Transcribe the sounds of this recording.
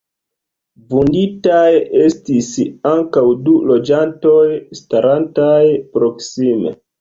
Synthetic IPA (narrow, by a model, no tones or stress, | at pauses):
vunditaje̞stisaŋkawdulo̞d͡ʒanto̞jstaɾantajpɾo̞ksime̞̰